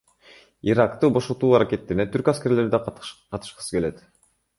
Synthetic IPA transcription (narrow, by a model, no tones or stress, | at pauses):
iɾakt̪ubo̞ʃot̪uːaɾakʲe̞t̪ːe̞ɾinet̪yɾkaske̞ɾle̞ɾd̪eqʰɑt̪ɯ̥ʃqɯ̥sɯ̥ke̞le̞t̪